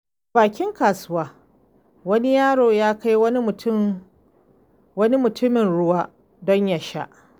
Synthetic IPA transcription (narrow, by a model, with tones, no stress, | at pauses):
baː˨kʲɪ˦ŋkaː˨sʊ˦waː˦ | wɐ˦ni˦jaː˦ɽoː˨jaː˦ka˦jwɐ˦ni˦mʊ˨tʊ˦ | wɐ˦ni˦mʊ˨tʊ˦mɪ˨nɽʊ˦waː˦ | dɔ˦ɲja˨ʃa̰˦ʔ